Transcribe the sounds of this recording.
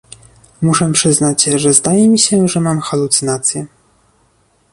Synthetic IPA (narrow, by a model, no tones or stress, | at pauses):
muʂɛpʂɘznat͡ɕʐɛzd̪ajɛmʲiɕɛʐɛmamxalut̪sɨnat̪sʲjɛ